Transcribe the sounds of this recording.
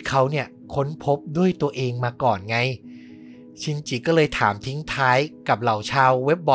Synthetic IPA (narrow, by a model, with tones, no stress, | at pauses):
kʰa˦˥wni˥˩ɐ | kʰo˦˥npʰo˦˥p̚du˥˩əjt̪u˧ɐʔeː˧ŋmaː˧kɔː˨˩nŋa˧˥j | t͡ɕʰi˧nt͡ɕi˨˩kɔː˥˩lɤː˧jt̪ʰaː˩˦mt̪ʰi˦˥ŋt̪ʰaː˦˥jka˨˩p̚la˨˩wt͡ɕʰaː˧wːe˦˥p̚bɔ˧˦